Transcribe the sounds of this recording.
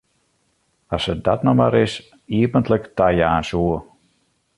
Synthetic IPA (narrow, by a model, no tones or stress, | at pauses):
ɔsədɔtnoma̰ɾɪs | iəpəntləktajəaːnsuə